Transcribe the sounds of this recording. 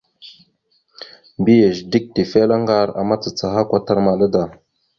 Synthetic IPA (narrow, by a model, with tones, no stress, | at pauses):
mbi˦je˨ʒdi˦k̚ti˨fe˦la˦ŋɡa˦ɾa̰˨ma˦t͡sə˨t͡sa˨ɦa˦kʷa˦ta˦ɾma˨la˦da˨